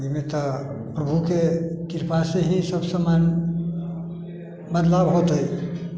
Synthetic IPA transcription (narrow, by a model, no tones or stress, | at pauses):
imet̪əpɾəbʱukek̪iɾpaseɦisəbsəman | bəd̪labɦot̪əj